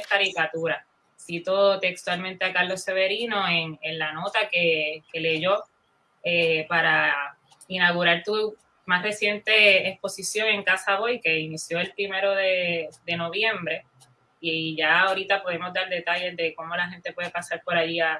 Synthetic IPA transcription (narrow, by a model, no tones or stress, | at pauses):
kaɾikat̪uɾa | sit̪o̞t̪e̞kst̪walmẽnt̪eakaɾlo̞sːe̞βeɾino̞eŋenlano̞t̪ake̞ke̞le̞ʝo̞ | epaɾa | inaɣuɾaɾt̪u | masre̞sje̞nt̪e̞ːspo̞sisjo̞ŋe̞ŋkasaβo̞jke̞inisjo̞elpɾime̞ɾo̞ðe̞d̪e̞no̞βje̞mbɾe̞ | iʝaoɾit̪apo̞ðe̞mo̞zd̪aɾd̪e̞t̪aʎe̞zd̪e̞ko̞mo̞laɦe̞nt̪e̞pwe̞ðe̞pasaɾpo̞ɾaʝia